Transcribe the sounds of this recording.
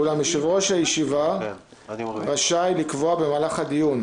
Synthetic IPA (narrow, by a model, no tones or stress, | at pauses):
ulamʃeʁo̞ʃajeʃiva | ʁaʃajlikvoabe̞maːlaχad̪ijun